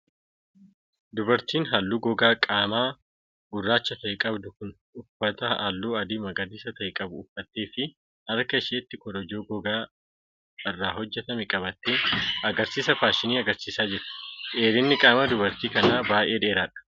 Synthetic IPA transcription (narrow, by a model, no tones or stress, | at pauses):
d̪ʊbɐɾt̪iːnɦɐlːuːɡɔɡaːkʼaːmaː | ɡ̥ʊrːaːt͡ʃːɐt̪ɐʔɪkʼɐbd̪ʊkʊn | ʊfːɐt̪ɐhɐlːuːɐd̪ɪmɐɡɐd̪iːsɐt̪ɐʔɪkʼɐbʊʊfːɐt̪ːeːfɪ | hɐɾkɐɪʃeːt̪ːɪkɔd̪ɔd͡ʒoːɡɔɡaː | ɪrːaːɦɔd͡ʒːɛt̪ɐmɛkʼɐbɐt̪ːeːɐɡɐɾsiːsɐfaːʃɪniːɐɡɐɾsiːsaːd͡ʒɪɾɪ̥ʔeːɾɪnːɪkʼaːmɐd̪ʊbɐɾt̪iːkɐnaːbaːʔeːd̪e̞ːɾaːᶑɐ̥